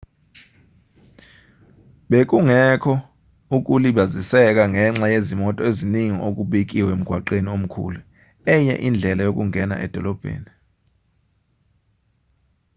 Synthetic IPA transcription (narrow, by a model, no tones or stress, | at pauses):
ɓek̬ʼuŋɛkʰɔ | uk̬ʼuliɓazisɛk̬ʼaŋɛŋ͡ǁajezimɔtʼɔeziniŋḭʔok̬ʼuɓek̬ʼiwem̩ɡ̥ʱwaǃeniom̩kʰṵːlu | ɛɲɛ̰ʔind͡ɮʱɛlajok̬ʼuŋʱɛna̰ʔɛ̰d̥ʱɔlɔb̥ʱḛːni